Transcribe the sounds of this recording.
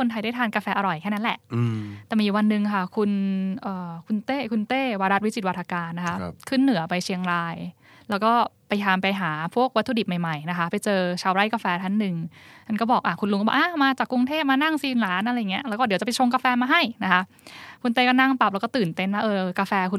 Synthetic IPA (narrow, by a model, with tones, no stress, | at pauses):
o˧nt̪ʰa˧jdaː˥˩jt̪ʰaː˧nkaː˧fɛː˧ʔa˧ɾɔ˨˩jkʰɛː˥˩na˦nlɛ˨˩ʔt̪ɛː˨˩miː˧wa˧nːɯ˨˩ŋkʰa˥˩kʰu˧nʔɤː˨˩kʰu˧nt̪eː˥˩kʰu˧nt̪eː˥˩waː˧ɾa˦˥t̪̚wi˦˥t͡ɕi˨˩t̚wa˧t̪ʰːaː˧kaː˧nːa˦˥kʰa˦˥ʔkʰɯ˥˩nːɯ˨˩˦ɐpa˧jt͡ɕʰi˧əŋɾaː˧j | lɛː˦˥wkɔː˥˩pa˧jt̪ʰaː˧mpa˧jɦaː˩˦pʰu˥˩ək̚wa˦˥t̪ʰːu˧di˨˩ma˨˩jma˨˩jna˦˥kʰa˦˥pa˧jt͡ɕɤː˧t͡ɕʰaː˧wɾa˦˥˩jkaː˧fɛː˧t̪ʰa˦˥nːɯ˨˩ŋt̪ʰa˥˩kɔː˥˩bɔː˨˩k̚ʔaː˧˩kʰu˧nlu˧˦ŋkɔ˥ba̰˨˩ʔaː˧˩maː˧t͡ɕaː˨˩kːɾu˧ŋt̪ʰeː˥˩p̚maː˧na˥˩ŋsiː˧nlaː˨˦nʔɾa˧jːŋi˦˥ɐʔlɛː˧˦˥kɔː˥˩i˨˦t͡ɕa˨˩pa˧jt͡ɕʰo˧ŋk̬aː˧fɛː˧maː˧ɦa˥˩jna˦˥kʰa˦˥ʔ | kʰu˧nt̪eː˥˩kɔː˥˩na˥˩ŋp̪a˨˩p̚lɛ˦˥kɔː˥˩t̪ɯː˨˩nt̪e˥˩nwaː˥˩ʔɤː˧kaː˧fɛː˧kʰu˧